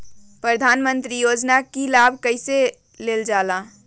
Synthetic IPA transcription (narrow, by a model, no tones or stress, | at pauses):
pɾəd̪ʱaːnmənt̪ɾijoːd͡ʒnakilabʱkəɪse | leːld͡ʒaːla